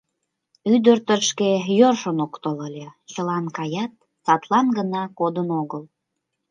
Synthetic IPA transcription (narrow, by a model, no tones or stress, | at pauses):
yd̪ərt̪əʃkejorʃənokt̪ələlʲet͡ɕəlɑnkɑjɑt̪̚ | sɑt̪lɑnɡənɑkod̪ənoɣəl